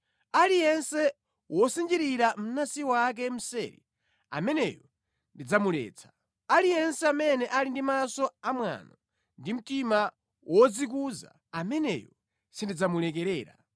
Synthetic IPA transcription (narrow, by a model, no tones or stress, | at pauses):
alijɛnsɛ | wʔɔsind͡ʒiɾiɾam̩nasiwak̬ɛm̩sɛɾḭ | a̰mɛnɛ̰jɔ | ndid͡zamulɛ̰ːt͡sʰḁ | alijɛnsɛamɛnɛʔalindimasɔamwa̰nɔ | ndim̩tima | wʔɔd͡zik̬uza̰ | amɛnɛ̰jɔ | sindid͡zamulɛk̬ɛɾɛːɾa̰